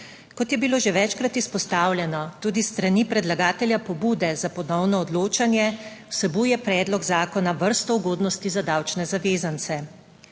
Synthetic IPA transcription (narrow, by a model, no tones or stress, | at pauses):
kɔt̪jɛbiloːʒeʋɛt͡ʃkɾat̪ispɔst̪aːwlʲjɛnɔt̪uːd̪ist̪ɾanipɾɛd̪laɡaːt̪ɛljapɔbuːd̪ɛzapɔd̪nɔwnɔːd̪loːt͡ʃanjɛwsɛbujɛpɾɛːd̪lɔɡzaːkɔnaʋəɾst̪ɔuɡoːd̪nɔst̪izad̪aːwt͡ʃnɛzaʋeːzant̪sɛ